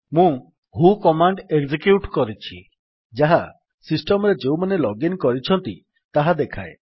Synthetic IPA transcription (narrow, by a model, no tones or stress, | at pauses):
mũ | ɦukɔmaɳɖeɡd͡ʒikjuʈkɔɾit͡ʃʰi | d͡ʒaɦa | sisʈɔmɔɾed͡ʒeumanelɔɡinkɔɾit͡ʃʰɔnt̪i | t̪aɦad̪ekʰae